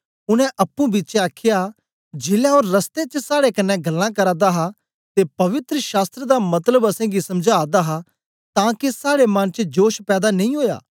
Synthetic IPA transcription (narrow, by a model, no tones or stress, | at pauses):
ʊñɛ̃ʔɐpːũbiːt͡ʃeaːkʰɪja | d͡ʒeːljãoːɾːɐst̪et͡ʃəsaːɽekɐnːɛ̃ɡɐlːãkɐɾãːd̪aɦa | t̪epɐʋɪt̪ɾəʃaːst̪ɾed̪amɐt̪ləbɐsɛ̃ɡisɐmd͡ʒʱaːd̪aɦa | t̪ãːkesaːɽemɐnt͡ʃəd͡ʒoːʃpɛːd̪anɐ̃ĩɦoːja̰ː